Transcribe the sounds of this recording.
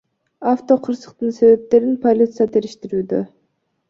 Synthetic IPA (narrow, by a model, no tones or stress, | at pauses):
aft̪o̞qʰɯɾsɯ̥q̚t̪ɯnse̞βe̞p̚t̪e̞ɾinpʰolʲit̪sɨjat̪ʰe̞ɾiʃt̪iɾyːd̪ø